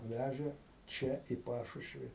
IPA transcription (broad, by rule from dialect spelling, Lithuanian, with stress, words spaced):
ˈʋʲæʒʲeː ˈt͡ʃʲɛ iː ˈpɑːʃʊʃʲʋʲɪ